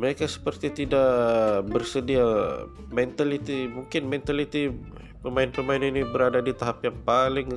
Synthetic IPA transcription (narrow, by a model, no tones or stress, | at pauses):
məɾekasə̥pərt̪it̪idaʔbərsədia | mɛnt̪alit̪imuŋkɪnmɛnt̪alit̪i | pəmaɪnpəmaɪninibəɾadadit̪aɦapjaŋpalɪŋ